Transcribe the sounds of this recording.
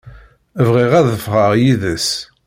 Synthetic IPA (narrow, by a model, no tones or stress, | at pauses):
əvʁiʁæðəfʁəʁjiðəs